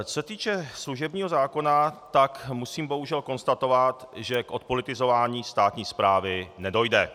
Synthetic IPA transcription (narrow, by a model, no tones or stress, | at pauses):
t͡ssɛt̪iːt͡ʃɛsluʒɛbɲiːɦozaːko̞nat̪akmusiːmbo̞ɦuʒɛlko̞nst̪at̪o̞vat̪ʒɛkʔo̞t̪̚po̞lɪt̪ɪzo̞vaːɲiːst̪aːt̪ɲiːspɾaːvɪnɛdo̞jdɛ